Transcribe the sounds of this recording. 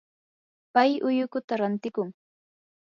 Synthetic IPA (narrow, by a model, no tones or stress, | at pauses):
pajʊjʊkʊt̪aɾant̪ɪkʊŋ